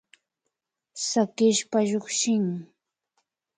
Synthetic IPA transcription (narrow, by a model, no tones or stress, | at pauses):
sakɪʃpaʎʊχʃɪŋ